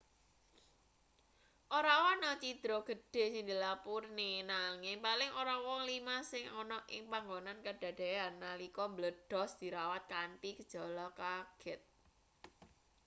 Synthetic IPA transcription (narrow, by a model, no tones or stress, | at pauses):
ʔoɾawɔnɔt͡ʃid̪̥ɾɔɡ̥ə̤ɖ̥e̤sɪŋd̪ilapurnenaŋɪŋpalɪŋʔoɾawɔŋlimasɪŋɔnɔʔɪŋpaŋɡonankəɖ̥a̤ɖ̥e̤anːalikɔmbləd̥ɔ̤sd̪̥i̤ɾawat̪̚kanpikəd̥ʒ̥ɔ̤lɔkaɡ̥ɛt̪̚